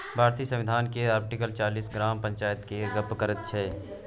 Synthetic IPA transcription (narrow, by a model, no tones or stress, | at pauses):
bʱaːɾt̪iːəsə̃mʋɪd̪ʱaːnkeaːɾp̚ʈɪkəlt͡ʃaːliːsɡɾaːmpɐ̃ɲt͡ʃaːjət̪keɡəpkəɾət̪̚t͡ʃʰɛː